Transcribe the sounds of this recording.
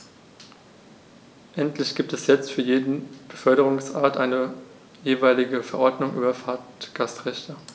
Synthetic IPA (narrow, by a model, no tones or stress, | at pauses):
ʔɛntlɪçɡ̥iːp̚tɛsjɛt͡stfyːɐjeːdn̩b̥əfœɐɾəʁʊŋsʔaːɐtʔaɪnə | jeːvaɪlɪɡəfɛɐʔɔɐdnʊŋʔy̰ːbɐfaːtɡ̥astʁɛçtɐ